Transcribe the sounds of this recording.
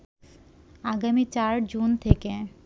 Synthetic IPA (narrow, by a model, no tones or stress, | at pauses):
aɡamit͡ɕaɾd͡ʑunt̪ʰeke